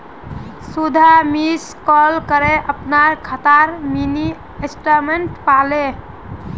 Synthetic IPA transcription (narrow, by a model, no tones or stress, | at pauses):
sud̪ʱamiskɔlkəɾeʔəpnaɾkʰət̪aɾmini | esʈəɾmeɳʈpale